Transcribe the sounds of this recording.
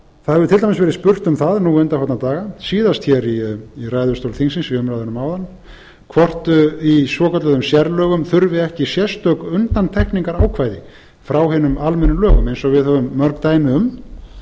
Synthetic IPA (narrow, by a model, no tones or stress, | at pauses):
θaðhɛvʏt̪ʰɪlajmɛsvɛːɾɪðspʏr̥t̪ʏmθaðnuʏnt̪ahɔt̪nat̪aːɣasiːðast̪çɛɾiːrajðʏ̥st̪owlθiŋsɪnsiʏmɾajðnʏmaːwðan | kʰvɔr̥t̪ʏisvɔːkœt̪lɛðʏmsjɛɾlœːɣʏmθʏɾvɪɛhcɪsjɛst̪œkʏnt̪ant̪ʰɛhkniŋkaɾaːwkʰvaːjðɪ | fɾawɦɪːnʏmalmɛnːʏlœːɣʏmejnsɔɣvɪðhœvʏmːœɾkt̪aːjmɪʏm